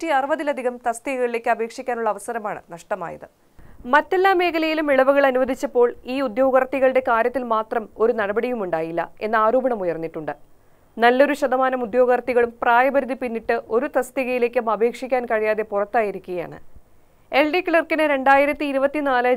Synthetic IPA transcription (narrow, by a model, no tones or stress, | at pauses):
tiɐrɨʋɐðilɐd̪ʱiɣɐmt̪ɐst̪iɣɐɣɐɭile̞ːkʲːɨɐbʱe̞ːkʂikʲːaːnuɭːɐʋɐsɐɾɐmaːɳɨ̰nɐʂʈɐma̰ːjɐðɨ | mɐtːe̞lːaːme̞ːkʰɐlɐjilumiɭɐʋuɣɐɭɐnuʋɐd̪ʱit͡ɕːɐpːo̞ːɭiːud̪jo̞ːɡɐrt̪ːiɣɐɭɨɽe̞kaːɾjɐt̪ːilmaːt̪rɐmo̞ɾunɐɽɐbɐɽijumuɳɖaːjilːɐ̰e̞nːɐaːɾo̞ːbɐɳɐmujɐrnːiʈːuɳɖɨ | nɐlːo̞ɾuɕɐd̪ɐmaːnɐmud̪jo̞ːɣɐrt̪ːiɣɐɭumpraːjɐbɐɾuðipinːiʈːɨʔo̞ɾut̪ɐst̪iɣɐjile̞ːk̬ʲːumɐbʱe̞ːkʂikʲːaːnkɐɻijaːðe̞purɐt̪ːaːjiɾukʲːuɣɐja̰ːɳɨ̰ | e̞lɖikɭɐrkinɨɾe̞ɳɖaːjiɾɐt̪ːiːɾubɐt̪ːinaːlɐ